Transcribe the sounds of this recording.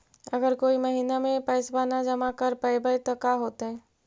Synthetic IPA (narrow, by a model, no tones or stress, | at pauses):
ɐɡəɾkoːimɐɦiːnamẽpɛːsbaːnad͡ʒɐmakəɾpəɪbəit̪ɐkaɦoːt̪eɦɛ̃ː